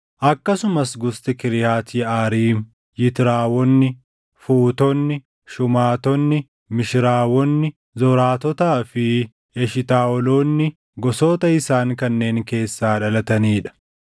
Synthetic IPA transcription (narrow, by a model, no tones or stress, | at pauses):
ʔɐkːɐsʊmɐsɡʊst̪ɪkɪɾɪjaːt̪ɪaːɾiːm | jɪt̪ɪɾaːwɔnːɪ | fuːt̪ɔnːɪ | ʃʊmaːt̪ɔnːɪ | mɪʃɪɾaːwɔnːɪ | zɔɾaːt̪ɔt̪aːfɪ | ɛʃɪt̪aːɔloːnːɪ | ɡɔsoːt̪ɐɪsaːŋkɐnːe̞ːŋke̞ːsːaːᶑɐlɐt̪ɐniːᶑɐ̥